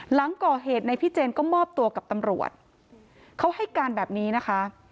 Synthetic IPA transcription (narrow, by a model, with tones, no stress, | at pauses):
la˩˦ŋkɔː˨˩ɦeː˨˩t̪̚na˧jpʰi˥˩t͡ɕeː˧nkɔː˥˩mɔː˥˩p̚t̪u˧ɐka˨˩p̚t̪a˧mɾṵ˨˩ət̪̚ | kʰa˦˥wha˥˩jkaː˧nbɛː˨˩p̚niː˦˥na˦˥kʰa˦˥